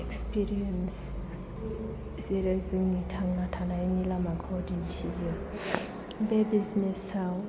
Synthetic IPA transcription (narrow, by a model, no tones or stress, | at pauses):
ɛkspʰiɾiɛns | ziɾɛziŋitʰaŋŋatʰanainilamakʰɔdintʰivi | bɛbiznɛsaɔ